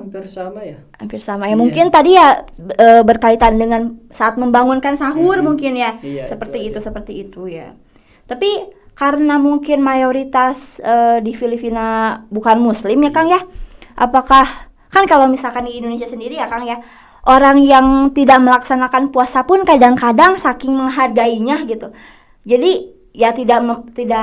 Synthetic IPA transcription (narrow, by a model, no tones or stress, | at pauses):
prsamaj | ampɪrsamajamuŋkɪnt̪adijaəbərkait̪andəŋansaːt̪̚məmbaŋunkansaɦʊrmuŋkɪnjasəpərt̪iːt̪usəpərt̪iːt̪uja̰ | t̪api | kaɾənamuŋkɪnmajoɾit̪asədifilipinabukanmuslɪmjakaŋjahʔa̰pakah | kankalawmisalkanɡiindonesiasəndiɾijakaŋja | ʔoɾaŋjaŋt̪idaʔməlaksanakanpuasapʊnkadaŋkadaŋsakɪŋməŋɦarɡaiɲaɡit̪u | d͡ʒadi | jat̪idaʔmət̪idaʔ